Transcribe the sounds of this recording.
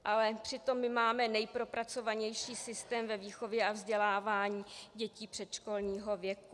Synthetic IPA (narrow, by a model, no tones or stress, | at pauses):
ʔalɛpr̥ɪt̪o̞mːɪmaːmɛnɛjpɾo̞pɾat͡so̞vaɲɛjʃiːsɪst̪ɛːmvɛviːxo̞vjɛʔavzɟɛlaːvaːɲiːɟɛciːpr̥ɛt̪ʃko̞lɲiːɦo̞vjɛku